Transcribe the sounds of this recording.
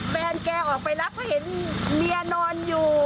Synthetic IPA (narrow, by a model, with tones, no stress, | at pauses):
ɓɛː˧nkɛː˧wʔɔː˨˩k̚ma˨˩jla˦˥p̚ɔ˨˦he˨˦˥nmi˧ənɔː˧njuː˨˩